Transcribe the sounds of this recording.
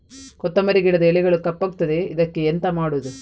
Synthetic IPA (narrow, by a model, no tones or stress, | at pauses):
kɔt̪ːɐmɐɾiɡiɽɐd̪ɐɛɭiɡɐɭukɐpːɐːɡut̪ːɐd̪e̞id̪ɐkːeːnt̪ɐmaːɽuʋd̪u